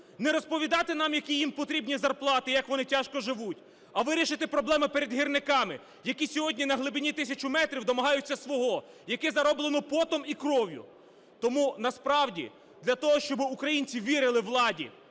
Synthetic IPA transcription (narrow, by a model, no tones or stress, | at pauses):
nɛɾɔspɔʋʲid̪ɑt̪ɪn̪ɑmjɐkʲijimpɔt̪ɾʲibnʲizɐrplˠɑt̪ɪjɐkʋɔnɪtʲaʃkɔʒɪʋutʲ | ɐʋɪɾʲiʃɪt̪ɪpɾɔblˠɛmɪpeɾed̪ɦirnɪkɑmɪ | jɐkʲisʲɔɦɔdʲnʲinɐɦlˠɪbʲinʲit̪ɪsʲɐt͡ʃʊmɛt̪ɾʲiwd̪ɔmɐɦɑjʊt͡sʲːɐsʋɔɦɔ | jɐkɪzɐɾɔblˠenɔpɔt̪ɔmikɾɔʋʲjʊ̰ | t̪ɔmunɐspɾɑwdʲḭ | d̪lʲɐt̪ɔɦɔʃt͡ʃɔbɪukɾɐjinʲt͡sʲiʋʲiɾɪlˠɪʋlˠɑdʲḭ